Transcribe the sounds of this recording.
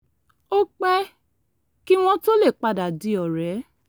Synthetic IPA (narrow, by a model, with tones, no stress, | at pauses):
o˦k͡pɛ˦ | ki˦w̃ɔ̃˦to˦le˦˨k͡pa˧da˨di˨˦ɔ˨ɾɛ˨˦